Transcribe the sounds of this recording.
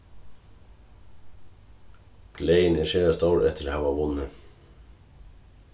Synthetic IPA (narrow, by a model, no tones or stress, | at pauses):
ɡ̥leɪneʃeːɑst̪ɑːɾʔɛt̪ʰəɾhɑːʋɑːʋʊnə